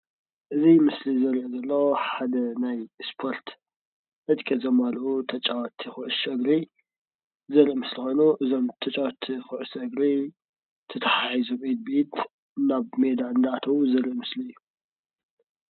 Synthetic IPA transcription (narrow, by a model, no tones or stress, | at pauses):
ʔɨzimɨslizɐɾʔezɐlːɐħad̪ɐnajspʰo̞ɾt̪ | ʔɨd̪kʼɐzomalʔut̪ʰɐt͡ʃʼawt̪ʰːixɨʔɨsɐɡɾi | zɐɾiʔmɨslixo̞jnuʔɨzo̞mt̪ʰɐt͡ʃʼawt̪ʰːixɨʔɨsɐɡɾi | t̪ʰɐt̪ʰɐħajizomed̪̚bet̪ | naβme̞d̪aɨnd̪ɐat̪ʰɐwuzɐɾiʔmɨsliɨjːu